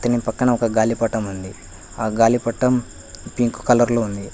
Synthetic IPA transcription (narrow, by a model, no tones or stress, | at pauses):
t̪ɐnipɐkːɐɳɐɔkɐɡaːlipɐʈɐmund̪i | aːɡaːlipɐʈːɐm | piŋku̥kɐlɐɾloːund̪i